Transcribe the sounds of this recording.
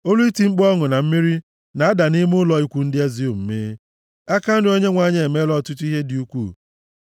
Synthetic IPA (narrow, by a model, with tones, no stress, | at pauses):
o˦lu˦i˦ti˦ŋ͡m̩˦k͡pɔ˦ŋʊ˨na˨m̩˦mi˦ɾi˦ | na˨a˦da˨ni˦m˦ʊ˦lɔ˨i˦kʷu˨n̩˦dɪ˦a˦zi˦o˨m̩˨me˦ | a˦ka˦ɾɪ˦o˦ɲe˦ŋʷa˨ɲe˦e˨me˦lɔ˦˨tʊ˦tu˦i˦ɦe˦dɪ˨u˦kʷu˦˨